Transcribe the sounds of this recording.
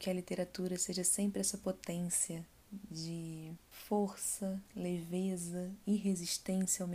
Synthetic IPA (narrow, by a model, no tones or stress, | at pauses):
kɪɐlit̪eɾat̪uɾɐseʒɐsẽmpɾɪɛsɐpot̪ẽsiɐ | d͡ʒɪfoɾsɐlevezɐɪɦeziʃt̪ẽsjiawm